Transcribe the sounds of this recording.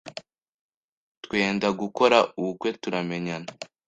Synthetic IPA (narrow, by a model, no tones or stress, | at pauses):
twe̞ːndaɡuko̞ɾauukwe̞tuɾame̞ɲana